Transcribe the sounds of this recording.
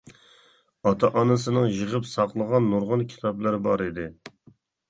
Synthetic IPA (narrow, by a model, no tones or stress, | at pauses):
ɑt̪ʰɑʔɑnɨsɨnɨŋjəʁəpsɑqlˠəʁɑnːoɾʁʊnkʲʰi̥t̪ʰɑplˠɨɾbɑɾid̪ɪ